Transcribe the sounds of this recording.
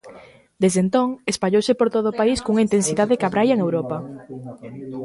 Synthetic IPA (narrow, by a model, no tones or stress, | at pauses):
d̪ezðent̪oŋespaʎowsɪpoɾt̪oðoʊːpaiskouŋaint̪ensiðaðɪkaβɾajɐŋewɾopɐ